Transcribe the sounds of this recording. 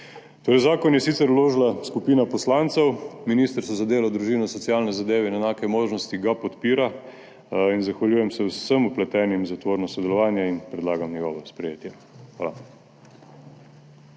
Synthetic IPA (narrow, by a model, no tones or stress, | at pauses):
t̪oːɾɛjzaːkɔnjɛsit̪sɛɾloːʒlaskupiːnapɔslaːnt̪sɛwminiːst̪ɾsɔzad̪eːlad̪ɾuʒiːnɔsɔt̪siaːlnɛzad̪eːʋɛinɛnaːkɛmoːʒnɔst̪iɡapɔt̪piːɾa | inzaxʋaljuːjɛmsɛwsəmuplɛt̪ɛːnimzat̪ʋoːɾnɔsɔd̪ɛlɔʋaːnjɛinpɾɛd̪laːɡamnɛɡɔːʋɔspɾɛjeːt̪jɛ | xʋaːla